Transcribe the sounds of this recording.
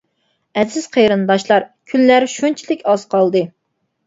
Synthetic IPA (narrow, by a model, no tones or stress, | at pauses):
ɛzɪz̥qʰejɾɨnd̪ɑʃlˠɑɾkʲʰynlæɾʃunt͡ʃʰilɪkʲɑz̥qʰɑlˠd̪ɨ